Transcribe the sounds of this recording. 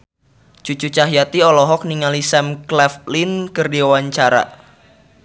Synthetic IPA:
d͡ʒ̥ut͡ʃut͡ʃaɦjat̪iɔlɔɦɔk̚niŋalisɛmklɛflinkərdiwawaɲt͡ʃaɾa̰

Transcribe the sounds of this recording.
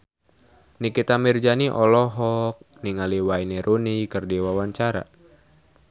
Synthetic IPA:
nikit̪amird͡ʒaniʔɔlɔɦɔk̚niŋaliwainɛɾʔunikɨrdiwawaɲt͡ʃaɾa̰

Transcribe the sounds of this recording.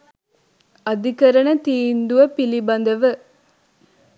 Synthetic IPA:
ɐd̪ikɐɾɐnɐt̪iːnd̪uʋɐpilibɐnd̪ɐʋɐ

